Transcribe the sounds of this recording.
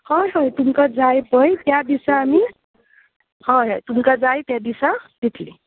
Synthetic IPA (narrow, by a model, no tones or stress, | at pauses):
hʌɾɦʌjt̪umkad͡zajpʌjt̪jãd̪isaːmi | hʌɾɦʌjt̪umkad͡zajt̪jad̪isad̪it̪ʰli